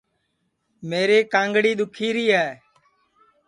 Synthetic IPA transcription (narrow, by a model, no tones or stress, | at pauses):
meːɾeːkãːŋɡɽiːɗ̪ʊkʰiːɾiːɦɛː